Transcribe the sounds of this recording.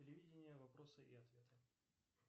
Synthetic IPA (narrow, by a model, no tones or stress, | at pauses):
ɪlʲɪvʲidʲɪnʲɪjəvɐpɾosɨʔiɐt̪vʲe̞t̪ɨ